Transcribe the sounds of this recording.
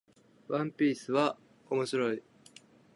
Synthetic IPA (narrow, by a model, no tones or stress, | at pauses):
βãmpʲiːsɨβa | o̞mo̞ɕiɾo̞i